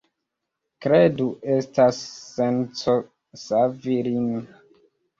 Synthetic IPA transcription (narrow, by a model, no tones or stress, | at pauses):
kɾeduʔestasːent͡so | saviɾini